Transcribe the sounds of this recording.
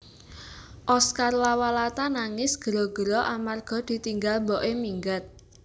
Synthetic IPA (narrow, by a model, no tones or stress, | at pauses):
ʔɔskarwawalat̪anaŋɪsɡ̥əɾɔɡ̥əɾɔʔamarɡ̥ɔ̤d̪̥i̤t̪iŋɡalmbɔʔemiŋɡət̪̚